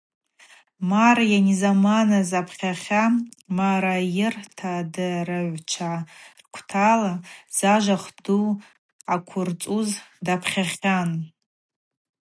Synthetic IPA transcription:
marjanizamanazapʰχʲaχʲamaɾajɪrtʰadɨrɨʕʷt͡ʃʰarkʷʰtʰalaz̥aʒʷaχdu | akʷʰʊrt͡sʼuzdapʰχʲaχʲan

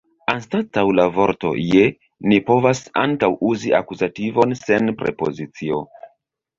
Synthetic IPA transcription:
anstatawlavo̞ɾto̞̰je | nipo̞vasa̰ŋkawuziʔa̰kuzativo̞nse̞npɾe̞̰po̞̰zit͡sio̞̰

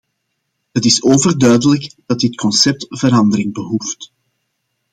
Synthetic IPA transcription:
ɦətɪsoːvərdœɥdələɡd̥ɑt̚dɪtkʰɔnsɛp̚tv̥əɾɑndəɾɪŋbəɦuft

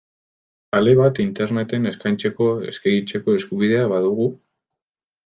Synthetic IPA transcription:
ale̞βat̪int̪e̞ɾne̞t̪e̞ne̞skajnt͡se̞ko̞ḛskeɣit͡se̞ko̞e̞skuβið̞e̞aβaðuɣu

